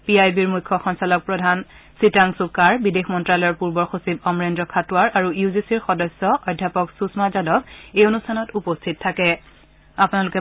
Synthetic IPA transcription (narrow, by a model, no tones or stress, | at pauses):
piajbiɹmukʰːɔxɔnsalɔk̚pɹɔdʱan | sitaŋsukːaɹbidexmɔntɹalɔjɔɹpuɹbɔxosibɔmɹendɹɔkʰatuaɹʔaɹuizisiɹxɔdɔsːɔʔɔjdʱːjapɔksusmazadɔbejonustʰanɔtupostʰit̚tʰːakɛ | apʊnalukɛ